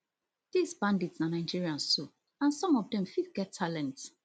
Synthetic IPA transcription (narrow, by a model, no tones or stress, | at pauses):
d̥isbãnditsnanaɪd͡ʒiɹiãnsso | ãnsɔ̃mɔvdɛ̃mfidɡɛtʰːalɛ̃nt